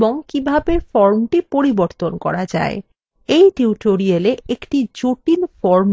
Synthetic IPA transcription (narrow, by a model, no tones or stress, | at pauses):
boŋkibʱabeɾfɔɾmʈipoɾiboɾt̪onkɔ̰ɾad͡ʑa̰e | ejʈiuʈoɾieleekʈid͡ʑoʈinfɔɾm